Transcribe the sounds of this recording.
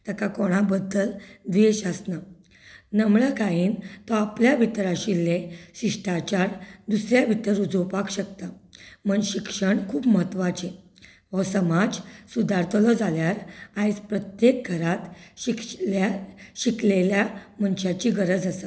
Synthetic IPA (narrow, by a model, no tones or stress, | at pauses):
t̪əkakoɽ̃abəd̪ːəld̪ʋiɕəsna | nəmɭəkajiːnt̪ɔapljabʱit̪ɾaɕilːeɕiʂʈat͡ɕaɾd̪usɾjabʱit̪əɾud͡zowpakɕək̚t̪am̤əɳɕikʂəɳkʰuːpməɦət̪ʋat͡ɕe | ʋɔsəmad͡zsud̪aɾt̪ʰəlɔd͡zaljaɾajt͡spɾət̪jek̚ɡʱəɾat̪ɕiklaɕikleljam̤əɳɕat͡ɕiɡəɾəd͡zəsə